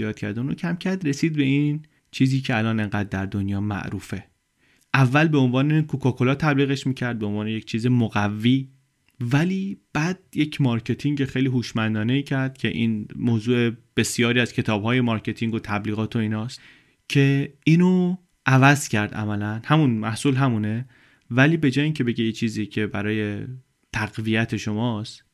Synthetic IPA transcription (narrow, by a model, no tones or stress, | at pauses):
ijɒːt̪̚cʰæ̰ɾd̪unɾocʰæmcʰæɾd̪re̞siːd̪̚be̞in | t͡ʃʰiːziːcʰeælɒːne̞ŋɢæːd̪̚ːæɾd̪onjɒːmæ̰ʔɾuːfe̞ | ʔævːælbeonvɒːnekʰukʰɒːkʰolɒːt̪ʰæbliːɣeʃmiːcʰæɾd̪̚beonvɒːne̞jec̚ʰt͡ʃʰiːzemoɣævːiː | væliːb̥æd̪̥̚je̞cʰmɒɾcʰe̞t̪ʰiŋɟexejliːɦuːʃmænd̪ɒːne̞iːcʰæɾd̪̥cʰe̞ʔiːnmoːzuːe̞b̥e̞sjɒːɾiːæzcʰe̞t̪ʰɒːb̥hɒːje̞mɒɾcʰe̞t̪ʰiŋɡot̪ʰæbliːɣɒːt̪ʰo̞iːnɒːst̪ | cʰe̞iːno | ʔævæzcʰæɾd̪ʔæ̰mælænhæmunmæhsuːlɦæmune | væliːbe̞d͡ʒɒːjiːŋcʰe̞be̞ɟejet͡ʃʰiːzicʰe̞bæɾɒːje̞ | t̪ʰæɣvijæt̪ʰe̞ʃo̞mɒːst̪